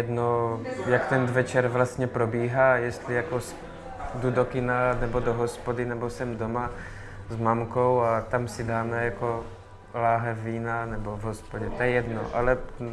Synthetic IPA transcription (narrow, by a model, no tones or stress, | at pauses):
jɛd̪nojakt̪ɛnd̪vɛt͡ʃɛɾvlast̪ɲɛpɾobiːɦajɛst̪lɪjakos | d̪ud̪okɪnanɛbod̪oɦɔspod̪ɪnɛbosɛmd̪oma | zmamkowat̪amsɪd̪aːmɛjako | laːɦɛvːiːnanɛbovɦospoɟɛt̪ɛɛjɛd̪no̰ʔalɛ